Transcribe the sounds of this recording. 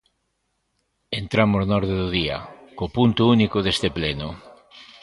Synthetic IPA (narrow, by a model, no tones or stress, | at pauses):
ent̪ɾamoznɔɾðeðuðia̰kopunt̪ʊunikoðest̪epleno